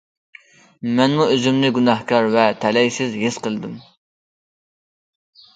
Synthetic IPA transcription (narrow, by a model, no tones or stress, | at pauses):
mɛnmuøzymnɪɡunɑhkʰɑɾvɛt̪ʰɛlɛjsɪzɦɪsqəlˠɨd̪ɨm